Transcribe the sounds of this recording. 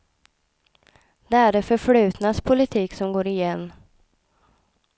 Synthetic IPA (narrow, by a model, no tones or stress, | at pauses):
d̪̥ɛæɖɛfœɾflʉ̟ːt̪naspʰʊlɪt̪ʰiːksɔmɡoːɾɪjɛnː